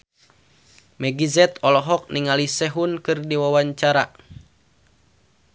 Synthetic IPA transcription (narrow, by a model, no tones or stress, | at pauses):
mɛɡizɛt̪ɔlɔɦɔk̚niŋalisɛɦunkɨrdiwawaɲt͡ʃaɾa̰